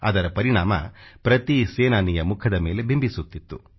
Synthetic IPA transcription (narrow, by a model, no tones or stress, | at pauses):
ɐd̪ɐɾɐpɐɾiɳaːmɐ̰pɾɐt̪iseːnaːnijɐmukʰɐd̪ɐmeːle̞bʱimbʱisut̪ːit̪ːu